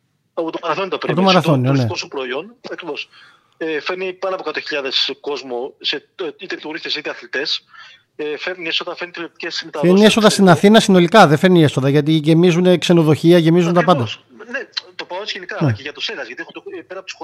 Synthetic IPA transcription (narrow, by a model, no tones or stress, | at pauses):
ɐpot̪omɐɾɐθo̞nit̪opɾiot̪omɐɾɐθoninkospɾoio̞nɐkɾivo̞s | efe̞ɾnipɐnɐpokɐt̪oçiʎɐðe̞sko̞zmoseit̪et̪ioɾiθesit̪eɐθlit̪e̞s | efeɾniesoðɐfenit̪ilot̪ceszmet̪ɐfeɾnieso̞ðɐst̪inɐθinɐsino̞likɐðefe̞ɾnieso̞ðɐʝɐt̪̬iʝe̞mizunekse̞noðo̞çiɐʝe̞mizunt̪ɐpɐnd̪ɐ | net̪opɐosʝenikɐneceʝɐt̪oseɣɐzʝɐt̪ie̞xund̪epeɾɐpot̪i̥so